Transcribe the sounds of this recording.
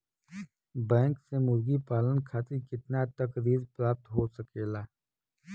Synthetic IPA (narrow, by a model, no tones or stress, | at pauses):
bɛ̃ːŋksemʊɾɡipaːlənkʰaːt̪ikɪt̪nat̪ɐkɾiːɾpɾaːp̚t̪ɦosɐkeːlaː